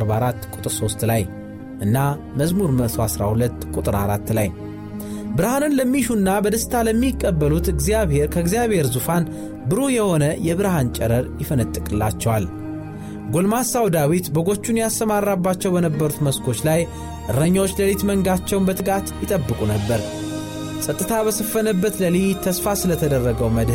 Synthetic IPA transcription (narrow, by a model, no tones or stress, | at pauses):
aɾbaɾat̪ːkʷʼut̪ʼɨɾso̞st̪laj | ʔɨnːa | məzmuɾməsoasɾa̰hulət̪ːkʼut̪ʼɨɾa̰ɾat̪ːlaj | bɨɾhanɨnləmːiʃunːabəd̪əst̪ʰaləmːikʼːəbːəlut̪ɨɡzijaβhe̞ɾkʰəɨɡzijaβhe̞ɾzufan | bɨɾojɛho̞nəjɛβɨɾhant͡ʃʼɛɾəɾjɪfənɨt̪ʼːɨkʼɨlːa̰t͡ʃːɛwal | ɡolmasawd̪awit̪bəɡo̞t͡ʃːunjast̪əmarːabːat͡ʃːɛwbənəbːəɾut̪məskʰo̞t͡ʃːlaj | ʔɨɾːəɲːawot͡ʃːləlit̪məŋɡat͡ʃːɛwnbət̪ʰɨkʼat̪jɪt̪ʼəbːɨkʼunəbːəɾ | sʼət̪ʼɨt̪ʰabəsəfːənəbːət̪ləlijt̪ʰːəsfasɨlət̪ʰəd̪ərːəɡəwməd̪h